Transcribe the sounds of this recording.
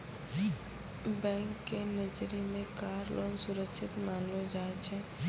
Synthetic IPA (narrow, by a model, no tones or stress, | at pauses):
bɛ̃ːŋkːenəd͡ʒɾimẽkaːɾlʔoːnsʊɾəkʃʰɪt̪mãːnod͡ʒaːet͡ʃʰɛ